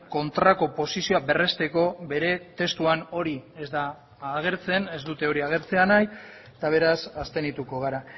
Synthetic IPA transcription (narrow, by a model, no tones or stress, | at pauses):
ko̞nt̪ɾako̞po̞sisio̞abe̞re̞st̪e̞ko̞be̞ɾe̞t̪e̞st̪uano̞ɾie̞zd̪aː | ɣ̞e̞ɾt͡se̞ne̞zd̪ut̪e̞o̞ɾiaɣ̞e̞ɾt͡se̞anaj | t̪aβ̞e̞ɾasast̪e̞nit̪uko̞ɣ̞aɾa